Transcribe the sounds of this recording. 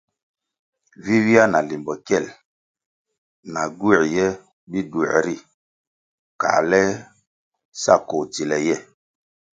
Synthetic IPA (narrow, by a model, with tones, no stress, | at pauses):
vi˦wi˦a˦na˨li˨mbɔ˨kɛ˦˨l | na˨ɡu˦˨ɾjɛ˦ | bi˦du˨ɾɛ̰˨ɾi˦˨ | ka̰ː˨lɛ˦ | sa̰˦˨ko˨ti˨lɛ˨jɛ˦˨